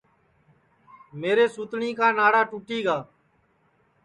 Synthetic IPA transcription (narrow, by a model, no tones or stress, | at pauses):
meːɾeːsuːt̪ɳiːkaːnaːɽaːʈuːʈiːɡaː